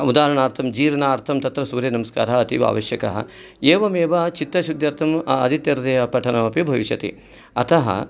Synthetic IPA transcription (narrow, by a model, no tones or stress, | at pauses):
ud̪aːɾɐɳaːɾt̪ʰɐmd͡ʒiːɾɐnaːɾt̪ʰɐmt̪ɐt̪ɾɐsuːɾjɐnɐmɐska̰ːɾɐɦɐɐt̪iʋa̰ːʋɐʃjɐkɐ̰ɦɐ̰ | eːʋɐmeːʋɐt͡ʃit̪ːɐʃud̪ʱjɐɾt̪ʰɐmɐd̪ʱit̪jɐɾɐd̪eːɐpɐʈʰɐnɐmɐpibʱɐʋiʃɐt̪ḭ | ɐ̰t̪ɐɦɐ̰